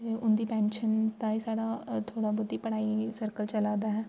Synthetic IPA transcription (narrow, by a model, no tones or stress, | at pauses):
ʊnd̪iːpɛ̃ːnʃənt̪aːisaːɽaːt̪ʰoːɽaːbʊd̪iːpəɽaːisəɾkəlt͡ʃəlaːd̪aːɦɛː